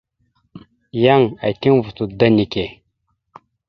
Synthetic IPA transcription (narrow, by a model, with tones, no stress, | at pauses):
ja˦˨ŋa˨i˨ti˦ŋvu˨tu˨da˦ni˨ke˨